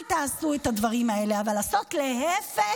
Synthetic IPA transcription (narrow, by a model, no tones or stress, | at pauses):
lt̪aːsuetadvaʁimae̞le̞avalaso̞tle̞ɦefe